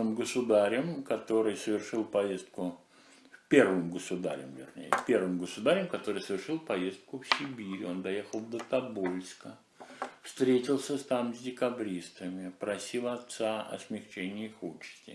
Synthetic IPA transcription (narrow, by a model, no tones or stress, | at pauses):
ɨmɡəsʊd̪aɾʲɪmkɐt̪o̞ɾɨjsəvʲɪrʂɨlˠpɐjest̪̚kʊ | pʲe̞rvɨmɡəsʊd̪a̰ɾʲɪ̰mvʲɪ̰rnʲḛjə̰pʲe̞rvɨmɡəsʊd̪aɾʲɪmkɐt̪o̞ɾɨjsəvʲɪrʂɨlˠpɐje̞st̪̚kʊfsʲɪbʲiɾʲɪo̞nd̪ɐje̞xəlˠd̪ət̪ɐbolʲskə | fst̪ɾʲetʲɪlˠsʲəst̪amzʲdʲɪkɐbɾʲist̪əmʲɪpɾɐsʲilˠɐt̪saɐ̰smʲɪxt͡ɕenʲɪjəixut͡ɕɪ̥sʲtʲɪ̰